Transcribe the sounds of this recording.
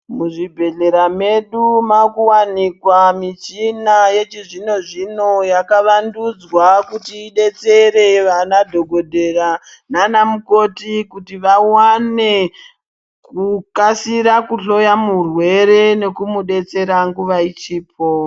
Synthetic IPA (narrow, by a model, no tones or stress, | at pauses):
muʐibʱe̞ɮe̞ɾame̞ɗumakuwanikwamit͡ʃinaje̞t͡ʃiʐino̞ʐino̞jakaʋandud͡zwakutiːɗe̞t͡se̞ɾe̞ʋanadʱo̞ɡʱo̞dʱe̞ra | nanamuko̞tikutiʋawane̞ | kukasiɾakuɬo̞jamurwe̞ɾe̞ne̞kumuɗe̞t͡se̞ɾaŋɡuʋait͡ʃiːp̚ʰo